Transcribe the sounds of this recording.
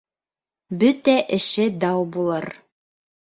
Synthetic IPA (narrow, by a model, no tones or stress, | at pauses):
bɵt̪æʔɘ̆ʃɘd̪ɑwbulˠɤɾ